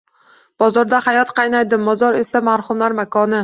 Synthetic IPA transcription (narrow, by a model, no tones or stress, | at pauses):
b̥ɒzɒɾd̪ahajɒt̪qʰɑjnajd̪ɪmːɒzɒɾe̞samaɾhʊmlaɾmakʰɒnɪ